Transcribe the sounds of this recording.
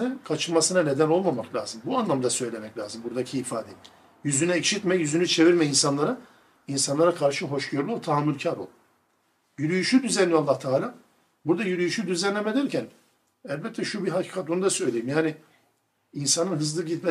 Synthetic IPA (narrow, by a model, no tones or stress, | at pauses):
nɛkʰat͡ʃʰɯlmasɯnane̞d̪æno̞lˠmamaklʲa̰ːzɯmbuanlˠamd̪asøjlʲe̞mɛclʲaːzɯmbuɾd̪acʰiːfaːd̪ɛ | jyzynɛɛcʃit̪mɛjyzynyt͡ʃʰe̞viɾmɛinsanlˠaɾa | insanlˠaɾakʰaɾʃɯɦo̞ʃɟøɾlʲˠyot̪ʰaɦamːulʲcʰaɾo̰lˠ | jyɾyjyʃyd̪yzɛnːijalˠːaht̪ʰaːlʲaː | buɾd̪ajyɾyjyʃyd̪yzɛnlʲemed̪ʲæɾcʰæn | ɛlʲbɛt̪ʰːɛʃubiɦacʰi̥ːkʰat̪̚bunud̪asø̞jlʲejimjaːnɪ | insanɯnɦɯzlˠɯɟit̪mɛ